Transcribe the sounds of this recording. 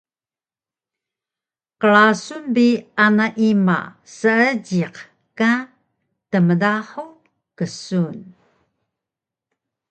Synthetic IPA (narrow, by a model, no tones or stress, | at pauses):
qəɭasunbianaʔima̰ | səəɟiq | ka | təmədaħu | kəsun